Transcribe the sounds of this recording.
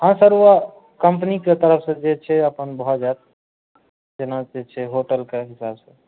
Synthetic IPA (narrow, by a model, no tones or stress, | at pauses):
ɦãsəɾua | kəmpniket̪əɾəpʰsə̃d͡ʒet͡ʃʰɛəpənbɦɔd͡ʒaet̪̚ | d͡ʒenad͡ʒet͡ʃʰɛɦoʈəlkeɦisabsə̃